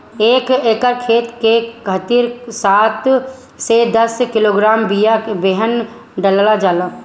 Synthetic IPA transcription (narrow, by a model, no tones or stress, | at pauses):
eːkeːkəɾkʰeːt̪kekʰət̪iɾsaːt̪ʰ | sed̪əskɪloːɡɾaːmbijabeɦən | ɖəllad͡ʒaːlaː